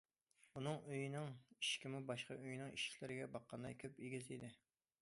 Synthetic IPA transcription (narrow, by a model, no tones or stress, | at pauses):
unɨŋøjinɪŋiʃkʲimubɑʃqɑʔøjnɪŋiʃi̥kʲʰlɪɾɪɡʲɛbɑqːɑnd̪ɑ̰jkʲʰøpiɡʲizid̪ɪ